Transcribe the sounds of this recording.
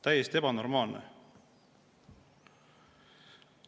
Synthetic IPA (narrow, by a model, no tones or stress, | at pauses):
t̪æjest̪ie̞bɑno̞rmɑːlnḛ